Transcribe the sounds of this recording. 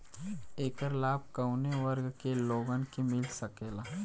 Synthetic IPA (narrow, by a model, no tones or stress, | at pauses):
eːkəɾlaːb̚kɐʊneʋəɾɡkeloːɡənkemɪlsɐkeːlaː